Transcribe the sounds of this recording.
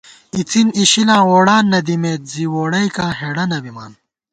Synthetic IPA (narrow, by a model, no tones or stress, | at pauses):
it͡siniɕilãːwoːɽaːnːɐd̪imeːt̪̚ziwoːɽɐjkãːɦeɽɐnɐbima̰ːn